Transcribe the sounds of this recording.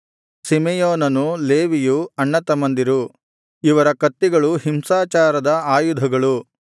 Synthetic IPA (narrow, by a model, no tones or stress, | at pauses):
simɛjoːnɐnuleːʋijuɐɳːɐt̪ɐmɐnd̪iɾu | iʋɐɾɐkɐt̪ːiɡɐɭuɦimsaːt͡ʃaːɾɐd̪ɐaːjud̪ʱɐɡɐɭu